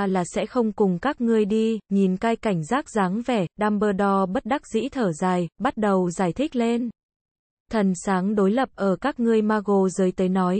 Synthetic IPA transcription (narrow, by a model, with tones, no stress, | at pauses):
laː˨˩sɛ̰˧˥xə˧wŋ͡mkʊ˨˩ŋ͡mkaː˦˥k̚ŋɨ˧əjɗi˧ɲi˨˩nkaː˧jka˧˩jŋ̟zaː˦˥k̚zaː˨˦ŋvɛ˧˩ɗaː˧mɓəː˧ɗɔ˧ɓə˦˥t̚ɗa˦˥k̚zḭ˧˥t̪ʰəː˧˩zaː˨˩jɓa˦˥t̚ɗə˨˩wzaː˧˩jt̪ʰï˦˥k̟̚le˧n | t̪ʰə˨˩nsaː˨˦ŋɗo˨˦jlə˨˩p̚ʔəː˧˩kaː˦˥k̚ŋɨ˧əjmaː˧ɣo˧˨˩zəː˨˦jt̪əː˨˦jnɔ˨˦j